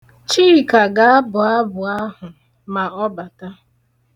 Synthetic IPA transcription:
t͡ʃi˦˨ka˨ɡa˨a˦bʊ˨a˦bʊ˨a˦ɦʊ˨ | ma˨ɔ˦ba˨ta˦

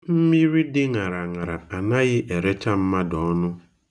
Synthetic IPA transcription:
m̩˦mi˦ɾi˦dɪ˦ŋa˨ɾa˨ŋa˨ɾa̰˨a˨na˦ɣɪ˦ʔe˨ɾe˦t͡ʃa˦m̩˦ma˦dɔ˨˦nʊ˦

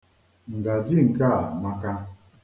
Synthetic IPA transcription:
ŋ̩˨ɡa˨d͡ʒi˦˨ŋ̩˨ka˦˨ma˨ka˦

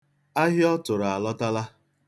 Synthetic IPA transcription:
a˦ɦɪ˦ɔ˦tʊ˨ɾa˨lɔ˦ta˦la˦

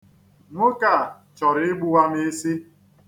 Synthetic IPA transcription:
ŋʷʊ˦ka˨ | t͡ʃɔ˨ɾɪ˨ɪ˦ɡ͡bu˦wa˦me˦si˦

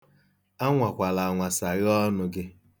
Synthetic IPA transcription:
a˦ŋʷa˨kʷa˨la˨a˨ŋʷa˨sa˨ɣɔ˦nʊ˦ɡɪ˦

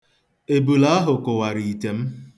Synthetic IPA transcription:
e˨bu˨la˦ɦʊ˨kʊ˨wa˨ɾi˨i˨te˨m̩˦

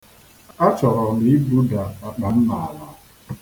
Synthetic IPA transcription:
a˦t͡ʃɔ˨ɾɔ˨ni˦bu˦da˨a˨k͡pa˨n̩˦na˨a˨la˨˦

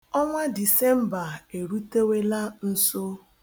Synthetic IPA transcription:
ɔ˦ŋʷa˦di˨sɛ˦m̩˦ba˨e˨ɾu˦te˦we˦la˦n̩˦so˦

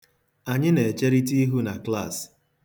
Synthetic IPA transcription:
a˨ɲɪ˦ne˨e˨t͡ʃe˦ɾi˦t̬i˦i˦ɦu˦na˨kla˦˨s

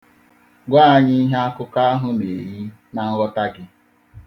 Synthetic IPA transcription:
ɡʷaː˦˨ɲi˦i˦ɦe˦a˦kʊ˦ka˦a˦ɦʊ˦ne˨ɾi˦ | na˨ŋ̩˦ɣɔ˦ta˦ɡɪ˦

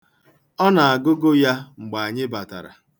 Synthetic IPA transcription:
ɔ˦na˨a˨ɡʊ˦ɡo˦ja˦ŋ͡m̩˨ɡ͡ba˨a˨ɲɪ˦ba˨ta̰˨ɾa̰˨

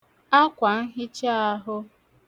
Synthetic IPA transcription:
a˦kʷa˨ŋ̩˦ɦɪ˦t͡ʃa˦a˦ɦʊ˦

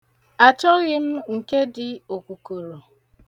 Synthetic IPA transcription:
a˨t͡ʃɔ˦ɣɪ˦m̩˦ŋ̩˨ke˦dɪ˨o˨kʷu˨ko˨ɾo˨

